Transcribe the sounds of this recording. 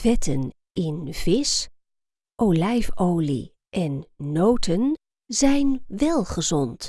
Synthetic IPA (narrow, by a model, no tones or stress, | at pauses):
vɛtən | ɪnvɪs | ʔowlɛjfowlḭ | ʔɛnːowtʰən | zɛjnʋɛlˠχəzɔnt